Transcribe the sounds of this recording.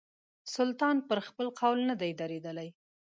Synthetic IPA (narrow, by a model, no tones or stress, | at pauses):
sʊlt̪ɑnpəɾxpəlqawlnad̪ajd̪aɾed̪əlaj